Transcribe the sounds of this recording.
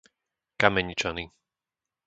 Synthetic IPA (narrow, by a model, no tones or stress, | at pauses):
kamɛɲit͡ʃani